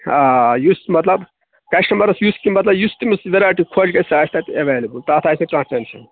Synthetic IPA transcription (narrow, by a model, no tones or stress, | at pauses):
ajusmɐt̪lɐb | kɐsʈɐmɐɾɐsjuskimɐt̪lɐbjust̪imisʋeɾaːjʈikʰod͡ʒɡɐsaːst̪ɐt̪eʋeːlebult̪ɐt̪ʰaːsɐ̃ʈɾãːsʈensɐ̰n